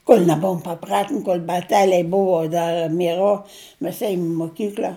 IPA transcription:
koːlʲ nʲɛˈbʊʋoːm pɐˈprɑːtʲɪn koːlʲ bɐˈtʲæːlʲɛɪ ˈbʊʋoː ˈdɐr mʲiɛˈroː ˈmʲɛs ˈeːjʊm ɪ moːˈkʲiːklʲɐ

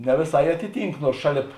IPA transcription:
nʲɛ ʋʲeːˈsɐɪ ˈɑːtʲɪˌtʲiːŋk ˈnuɔrs ˈʃɑːˌlʲeːp

